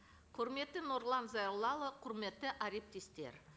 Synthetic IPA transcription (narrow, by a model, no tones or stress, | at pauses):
qʰʊɾme̞t̪ːɪno̞ɾlˠɑnzɑjɾlˠɑlˠəqʰʊɾme̞t̪ːɪʔaɾe̞p̚t̪est̪e̞̰ɾ